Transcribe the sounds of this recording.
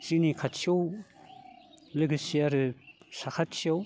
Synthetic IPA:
z̥inikʰatsiow | lɯɡɯsiaɾɯsakʰatsiaw

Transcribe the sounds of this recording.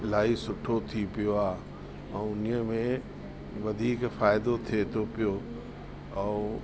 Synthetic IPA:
laːisʊʈʰot̪ʰipijoaːɦ | ɛ̃ːʊnəmẽ | ʋɐd̪ʱiːkfaːɪd̪ot̪ʰiet̪ʰopijo | ɛ̃ː

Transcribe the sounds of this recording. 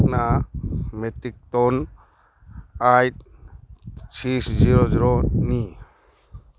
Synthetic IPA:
kna | metik̚t̪ɔn | ajt̚ | t͡ʃʰisziɾɔziɾɔni

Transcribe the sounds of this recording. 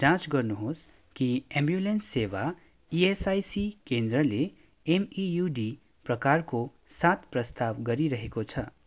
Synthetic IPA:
d͡zãt͡sɡʌrnuɦos | kiembjulensːeʋa | iesajsikend̪ɾʌle | emijuɖi | prʌkarko | sãt̪ʰprʌst̪aʋɡʌɾiɾʌɦekot͡sʰʌ

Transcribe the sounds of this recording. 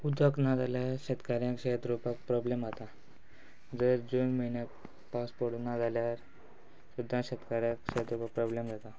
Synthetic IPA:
ud̪ʱəknad͡zaljaɾɕət̪kaɾjãkɕeɦət̪ɾupak̚pɾɔblemat̪a | d͡zəɾd͡zonməiɳjãk̚ | paspoɾʈ̪nad͡zaljaɾ | ɕud̪ʱːãɕət̪kaɾjãkɕeɦət̪ɾupak̚pɾɔblemd͡zat̪a

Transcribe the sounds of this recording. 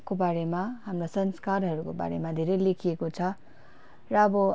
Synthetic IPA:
kobaɾemaɦamrosʌnskarɦʌɾukoba̰ɾḛmad̪ʱeɾʌjlekʰiekot͡sʰʌ | rʌʌbʌ

